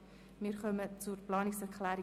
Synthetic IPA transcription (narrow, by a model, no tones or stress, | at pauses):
miːɾχœmət͡suɾplɑːnɪksɛɾkʰlɛːɾi